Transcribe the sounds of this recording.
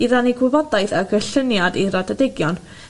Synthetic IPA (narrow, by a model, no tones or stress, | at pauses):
iðaniɡwɪvɔdaɨðaɡəɬənjadiɾadadɪɡjɔn